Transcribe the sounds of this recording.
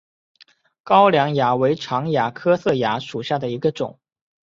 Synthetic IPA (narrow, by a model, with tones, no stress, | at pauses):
kɑ˥ʊljɑ˧˥ŋja˧˥we˧˥ɪʈ͡ʂʰɑ˧˥ŋja˧˥kʰɤ˥sɤ˥˩ja˧˥ʂu˨˩ɕja˥˩d̪ə˩i˧˥ɡə˧ʈ͡ʂʊ̰˨˩˦ŋ